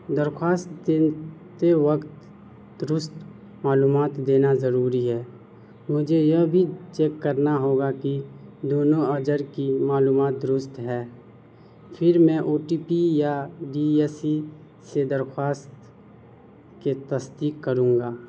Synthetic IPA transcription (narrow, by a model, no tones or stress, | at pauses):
d̪əɾxʰwaːst̪d̪eːt̪eʋəkt̪ | d̪ɾʊst̪ | maːluːmaːt̪d̪eːnazəɾuːɾiɦɛː | mʊd͡ʒʱejɐbʱit͡ʃeːkːəɾnaɦoːɡakid̪oːnõəd͡ʒəɾkimaːluːmaːt̪̚d̪ɾʊst̪ɦɛː | pʰɪɾmɛ̃ʔoːʈiːpijaɖiːɛːsi | sed̪əɾxwaːst̪ | ket̪əst̪iːkkːəɾũːŋɡaː